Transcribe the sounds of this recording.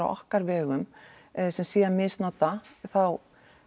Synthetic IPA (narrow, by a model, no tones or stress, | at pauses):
a̰ɔ̰hkaɾvɛːɣʏm | sɛmsiːamɪst̪nɔt̪aθaw